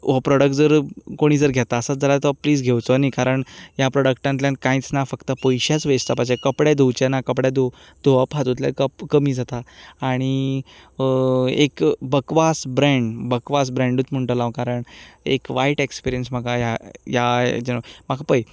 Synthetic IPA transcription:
ɔpɾɔɽək̚ʈd͡zəɾkoɽ̃iːd͡zəɾɡʱjɛt̪aəsat͡sd͡zʱalat̪əpliːd͡zɡʱewt͡sɔnikaɾəɳjapɾɔɽəkʈant̪ljãnkãĩt͡snafəkt̪əpojɕat͡sʋest̪apad͡ʑekəpɽjad̪owt͡ɕɛnakəpɽjad̪o | d̪̥oapat̪ut̪la̰kəpkəmiːd͡zʱat̪aːɽ̃i | ḛkbəkʋasbɾẽɳɖbəkʋasbɾɛ̃ɳɖut͡s̪m̤əɳʈəlãʋkaɾəɳḛkʋajʈekspiɾijənsm̤əkajajad͡ʑemakʰapəj

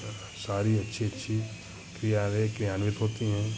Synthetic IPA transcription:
saːɾiɐtːʃʰiɐtːʃʰi | kɾijaɾekɾijaːnʋɪt̪ɦoːt̪iɦɛ̃ː

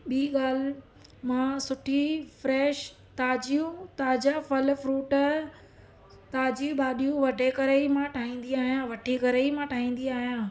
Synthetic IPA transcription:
ɓiːɠaːl̤ | mãsʊʈʰifɾɛːʃ | t̪aːd͡ʑijũt̪aːd͡ʑəfɐlfɾuːʈ | t̪aːd͡ʑijũɓaːɗijũʋɐɖʱekɐɾeimãʈʰaːĩːn̆d̪iaːɦijãʋɐʈʰikɐɾəimãʈʰaːĩːn̆d̪iaːɦijãː

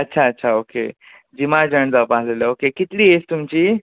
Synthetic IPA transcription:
ətːɕʰaətːɕʰaokḛ | d͡ʑimad͡ʑəɳ̃d͡zapaɦleləokekit̪liest̪umt͡ɕi

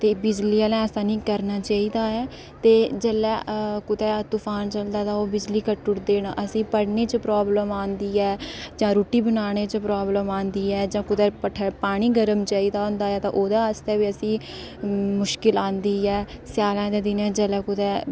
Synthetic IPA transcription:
t̪eːbɪd͡ʒliːəlɛ̃ːɛsãːnĩːkəɾnaːt͡ʃaːiːd̪aːɛː | t̪eːd͡ʒəlɛːkʊt̪ɛːt̪ʊpʰaːnt͡ʃəld̪aːd̪aːoːbɪd͡ʒliːkəʈːʊɾd̪eːnʔəsĩːpəɽneːt͡ʃpɾaːbləmãːnd̪iːɛːd͡ʒãːɾuːʈiːbənaːɽ̃eːt͡ʃpɾaːbləmaːnd̪iːɛːd͡ʒãːkʊt̪ɛːpəʈʰəpaːɽ̃iːɡəɾəmt͡ʃaːiːd̪aːõːnd̪aːɛːt̪ãʔoːd̪ãːəst̪ɛːʋiəsĩː | mʊʃkɪlãːnd̪iːɛːsɪjaːlãːd̪eːd̪ɪnɛːd͡ʒəlɛːkʊt̪ɛː

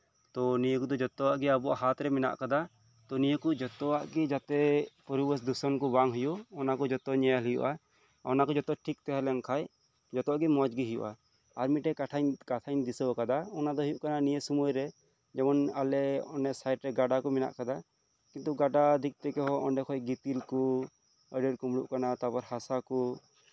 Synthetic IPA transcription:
t̪ɔnijəkud̪ɔd͡ʒɔt̪ɔwaʔɡiabɔʔa̰ɦat̪ɾɛmɛna̰ʔkad̪a | t̪ɔnijəkud͡ʒɔt̪ɔwaʔɡid͡ʒat̪ɛpɔɾibəsd̪usɔnkɔbaŋɦujuɔnakɔd͡ʒɔt̪ɔɲɛjalijṵʔa | ɔnakɔd͡ʒɔt̪ɔʈʰik̚t̪ɛɦɛlɛŋkʰaj | d͡ʒɔt̪ɔaʔɡimɔd͡ʒɡiɦijṵʔa̰ | aɾmiʈɛkaʈʰaɲkatʰajɲd̪isɔbɔkad̪aɔnad̪ɔɦujuʔkananijesumujɾɛ | d͡ʒɛmɔnalɛɔnɛsajʈɾɛɡaɖakumina̰ʔkad̪a | kint̪uɡaɖad̪ʱik̚t̪ɛkɛɦɔʔɔnɖɛkʰɔjɡit̪ilku | əɖəɾkumɽṵʔkanat̪apɔɾhasaku

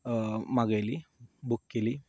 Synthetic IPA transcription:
maɡajlibukːeli

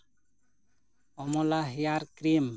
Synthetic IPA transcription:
ɔmɔlaɦijaɾkɾim

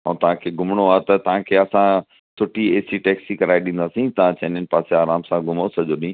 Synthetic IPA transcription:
ɔ̃t̪ɐʋ̤ãkʰeːɡʊmɽ̃oaːt̪ɐt̪ɐʋ̤ãkʰeːɐsã | sʊʈieːsiʈɛːksikɐɾaːiɗĩːnd̪aːsĩt̪ɐʋãt͡ɕɐ̃ːnənɪ̆paːseaːɾaːmsãɡʊmosɐʄoɗĩː

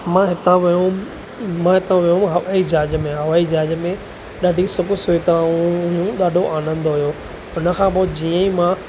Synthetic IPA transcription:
mãɦɪt̪ãʋijũ | mãɦɪt̪ãʋijũɦɐʋaid͡ʑaːd͡ʑmẽɦɐʋaːid͡ʑaːd͡ʑmẽ | ɗaːɖʱisʊkʊsʊit̪ãũʊɦjũɗaːɖʱoʔaːnə̃nd̪oɦʊjoː | ʊnə̆kʰãːp̬oːd͡ʑiːə̃imã

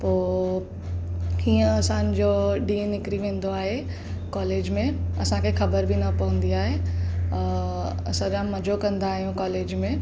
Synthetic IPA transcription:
poː | hiːə̃ɐsãnd͡ʑoɖienɪkɾiʋẽːn̆d̪oaːɦe | kɔːleːd͡ʑmẽɐsãkʰexɐbəɾbʱinɐpɐɦũnd̪iaːɦe | sɐɾãmɐd͡ʑʱokɐ̃nd̪aːɦijũkɔːleːd͡ʑmẽ

